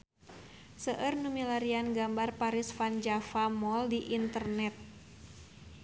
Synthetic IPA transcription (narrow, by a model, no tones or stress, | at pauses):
səʔərnumilaɾianɡambarpaɾisfand͡ʒafamɔldiʔint̪ərnɛt̪̚